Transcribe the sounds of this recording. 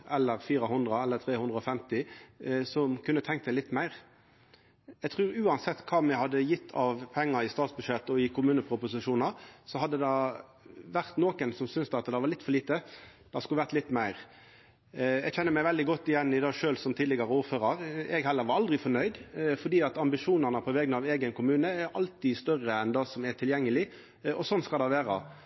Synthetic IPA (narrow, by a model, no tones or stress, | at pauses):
ɛlːəɾfiːɾəɦʉnd̪ʁəɛlːəɾt̪ʰɾeːhʉnd̪ʁəɔfɛmt̪ɪsɔmkʰʉnːət̪ʰɛŋkt̪sɛɪlɪt̪ːmæɪʁ | ɛɡt̪ʰʁʉːɾʉːɑnsɛt̪ːkʰɑːmɛhɑd̪ːəjɪt̪ʰːɑʋpʰɛŋːəɾɪst̪ɑːt̪sbʉʂɛt̪ːɔɪkʰʊmʉːnəpʰɾʊpʊsɪʂuːnɑɾsɔhɑd̪ːəd̪ɑ | ʋæʁt̪noːkənsɔmsʏnsd̪ɑt̪d̪ɛʋɑlɪt̪ːfɔɭiːt̪əd̪̥ɑskʉlʋæʁt̪lɪt̪ːmæɪʁ | ɛɡçɛnːəmæɪʋɛld̪ɪɡɔt̪ːɪjɛnːɪd̪ɑːʂøːlsɔmt̪ʰiːd̪lɪɡɑɾəuːɾføːɾɑɾɛɡhɛlːəɾʋɑɾɑld̪ʁɪfɔnœʏd̪fɔd̪iːɑt̪ɑmbɪʂuːnəʁnəpʰɔʋɛːɡnəɑʋeːɡənkʰʊmʉːnəæɾɑlt̪ɪst̪œʁːəɛnd̪ɑːsɔmæt̪ʰɪljɛŋːəlɪ | ɔsɔnːskɑld̪ɑʋæːɾɑ̰